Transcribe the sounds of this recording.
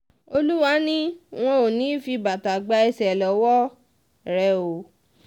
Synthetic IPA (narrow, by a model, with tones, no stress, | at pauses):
o˧lu˦wa˧˦nĩ˦w̃ɔ̃˦o˨nĩ˨˦fi˧ba˨ta˨ɡ͡ba˧ɛ˧sɛ˨lɔ˨wɔ˦ | ɾɛ˨˧o˨